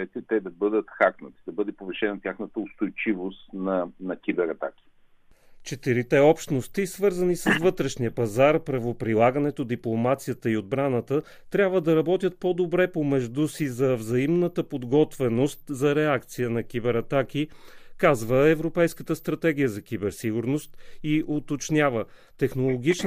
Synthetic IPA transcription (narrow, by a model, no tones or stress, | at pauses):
ɛt̪ɛt̪ɛd̪ɐbɤd̪ət̪xaknət̪i̥d̪ɐbɤd̪ɛpovɛʃɛnɐt̪ʲaxnət̪əʊst̪ojt͡ʃivost̪nɐnɐkʲibɛɾɐt̪a̰kʲi̥ | t͡ʃɛt̪iɾit̪ɛɔpʃt̪nost̪isvɤɾzənisəsvɤt̪ɾɛʃniəpɐzaɾpɾɐvopɾilˠaɡənɛt̪od̪iplˠomat̪sijət̪əiod̪̚bɾanət̪ə | t̪ɾʲabvəd̪ɐɾɐbɔt̪ʲjət̪̚pod̪obɾɛpomɛʒd̪usizɐvzɐimnət̪əpod̪ɡɔt̪vɛnost̪zɐɾɛakt̪sijənɐk̟ibɛɾɐt̪akikazvəɛvɾopɛjskə̥t̪əst̪ɾɐt̪ɛɡ̟ijəzɐkʲibɛɾsiɡʊɾnost̪iʔot̪ot͡ʃnʲjavə | t̪ɛxnolˠoɡ̟it͡ʃ